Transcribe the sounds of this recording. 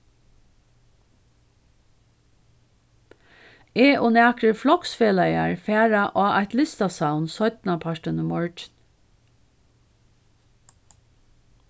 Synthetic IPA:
eːʔɔnæːkɾəflɔksfeːlajaɹfæːɹaʔaːʔajt̪lɪst̪asaʊnsœʏt̪napʰaʃʈənəmɔɹtn

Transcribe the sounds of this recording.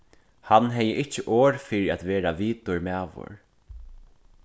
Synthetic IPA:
hanːɦɛjɪʔɪt͡ʃːɪʔoːɹfɪɾɪat̪ʋeːɾaʋiːt̪ʊɹmɛːʋʊ̰ɹ

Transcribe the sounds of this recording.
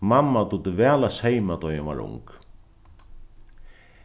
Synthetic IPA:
mamːat̪ut̪ɪvɛːɐlashejmat̪ɔjaʋa̰ɹʊ̰ŋk

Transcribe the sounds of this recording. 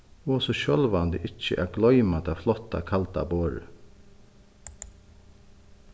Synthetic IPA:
ɔːsɔʃœlʋand̪ɪ̰ʔɪt͡ʃːə̰ʔæɡlɔʏmad̪aːflɔt̪ːa̰kʰalt̪a̰boːɹə̰

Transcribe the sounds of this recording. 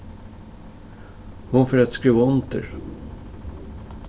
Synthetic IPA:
hʊnfœɾat̪skɾiːvaʊnt̪ə̰ɾ

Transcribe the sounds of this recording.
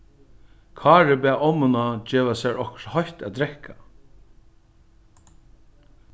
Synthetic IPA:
kʰɑːɾɪbɛːʔɔmʊnad͡ʒeːʋasɛɹɔhkhɔjht̪æ̰ːd̪ɾɛhkʰa

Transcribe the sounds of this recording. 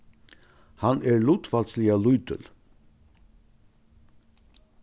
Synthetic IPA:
hɑnʔæːɹɭʊːt̪fɑlt̪sliɑlʊʏt̪ə̰l

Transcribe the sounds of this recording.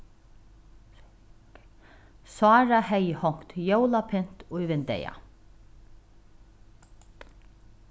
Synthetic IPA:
sɑːɹahɛjhɔŋ̥t̪jowlapʰɪn̥t̪ʊjvɪnd̪ɛ̰ja̰

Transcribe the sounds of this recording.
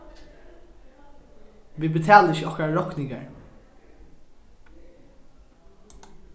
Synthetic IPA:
ʋiːbət̪ʰæːləɾɪçəɔhkaɹɔknɪŋɡə̰ɹ

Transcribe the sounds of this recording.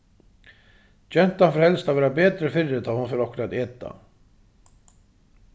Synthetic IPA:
t͡ɕɛn̥t̪anfɾ̥hɛlst̪aðvɛːɾapɛːt̪ɾɪfɪrːɪt̪ahanfɛɾɔhkʏɾaðɛːt̪a̰

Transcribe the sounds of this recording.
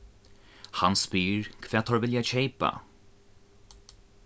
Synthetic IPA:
hanspiːɹkʰvɛːt̪ʰɔɹvɪljat͡ʃʰejpa̰

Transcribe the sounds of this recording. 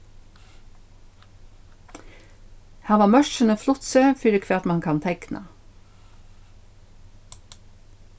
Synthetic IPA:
hæːʁʋɑːmœʃənəflʊt̪søːfʏɾəkʰʋeːɑt̪mɑŋkʰɑnt̪ʰɛknʔɑ̰

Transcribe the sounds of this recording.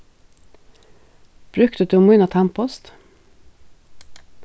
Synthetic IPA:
b̥ɾʉkt̪əd̪ʉːmʉnɑt̪ʰæmpɔst̪

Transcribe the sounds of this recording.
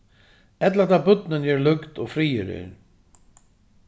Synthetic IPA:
ɛt̪lat̪ʰaːbʏt̪nɪnjɛːɹlʏkt̪ɔɣfɾiːɪ̰ɾɪ̰ɾ

